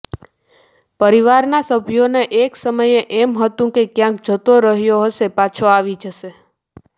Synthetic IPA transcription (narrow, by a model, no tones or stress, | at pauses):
pəɾiʋaɾnasəbʱjoneʔeksəməjeʔɛmɦət̪ũkekjãk̚d͡ʒʱət̪oɾəɦjoɦəʃepat͡ʃʰoaʋid͡ʒəʃe